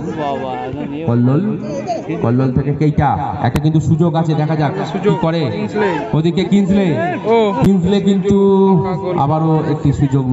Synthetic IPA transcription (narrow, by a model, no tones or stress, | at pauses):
kɔlːol | kɔlːolt̪ʰekekejʈaɛ̰k̚ʈak̬int̪uʃud͡ʑoɡat͡ɕʰed̪ɛkʰad͡ʑakikɔɾe | od̪ikekinslekinslek̬int̪u | a̰baɾoek̚ʈiʃud͡ʑoɡn